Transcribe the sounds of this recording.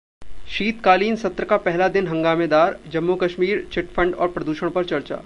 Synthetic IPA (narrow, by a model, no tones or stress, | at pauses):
ʃiːt̪kaːliːnsɐt̪ɾəkapɛɦlad̪ɪnɦɐ̃ŋɡaːmed̪aːɾd͡ʒɐmːokɐʃmiːɾt͡ʃɪʈfʰɐ̃ɳɖɔ̰ːɾpɾɐd̪uːʃəɽ̃pɐɾt͡ʃɐɾt͡ʃa̰ː